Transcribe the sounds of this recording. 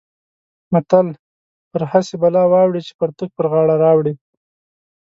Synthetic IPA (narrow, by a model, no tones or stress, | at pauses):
mat̪al | pəɾhasebalɑwɑwɽit͡ʃe̥pəɾt̪ək̚pəɾɣɑɽaɾɑwɽi